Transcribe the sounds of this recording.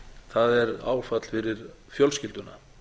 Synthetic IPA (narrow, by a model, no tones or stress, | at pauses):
θaðɛɾa̰ːwfat̪l̥fɪɾɪɾ̥ | fjœlscɪlt̪ʏna